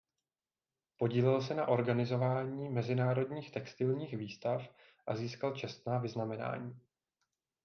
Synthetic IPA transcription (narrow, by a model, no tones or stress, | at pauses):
po̞ɟiːlɪlsɛnaʔo̞ɾɡanɪzo̞vaːɲiːmɛzɪnaːɾo̞dɲiːxt̪ɛkst̪ɪlɲiːxviːst̪af | ʔaziːskalt͡ʃɛst̪naːvɪznamɛna̰ːɲiː